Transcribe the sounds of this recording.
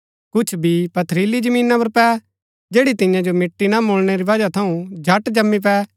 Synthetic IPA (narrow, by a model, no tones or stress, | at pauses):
kʊt͡ʃʰbʱipɐt̪ʰɾiːlid͡ʒəmĩːnapɐɾpɛ | d͡ʒeːɽit̪ɪ̃jãd͡ʒomɪʈːinamoːɭɽ̃eɾiʋɐd͡ʒat̪ʰɐũd͡ʒʱɐʈd͡ʒɐmːip̬ɛː